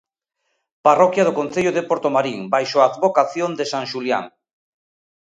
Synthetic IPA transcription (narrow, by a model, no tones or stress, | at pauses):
parɔkjað̞okõnθeʎoðepoɾt̪omaɾiŋbajʃoaːd̪βokaθjond̪esaŋʃulja̰ŋ